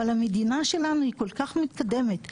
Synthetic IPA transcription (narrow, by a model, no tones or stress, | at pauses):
alamed̪inaʃe̞lanuhiko̞lkaχmit̪kad̪e̞met̪